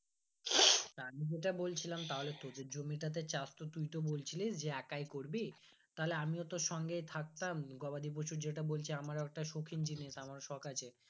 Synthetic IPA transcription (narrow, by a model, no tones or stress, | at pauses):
amid͡ʑeʈabolt͡ɕʰilamt̪aɦolet̪od̪ed͡ʑomiʈat̪̬et͡ɕast̪ot̪ujt̪obolt͡ɕʰilisd͡ʑeɛkajkoɾbi | t̪aɦoleamiot̪oʃɔŋɡejt̪ʰak̚t̪amɡɔbad̪ip̬ot͡ɕʰuɾd͡ʑeʈabolt͡ɕʰiamaɾoɛk̚ʈaʃokʰind͡ʑiniʃamaɾʃɔkʰat͡ɕʰe